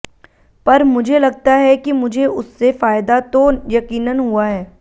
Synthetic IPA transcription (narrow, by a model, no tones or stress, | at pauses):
pɐɾmʊd͡ʒʱelɐɡ̚t̪aɦɛkimʊd͡ʒʱeʊsːefaːɪd̪at̪ojɐkiːnənɦuaɦɛː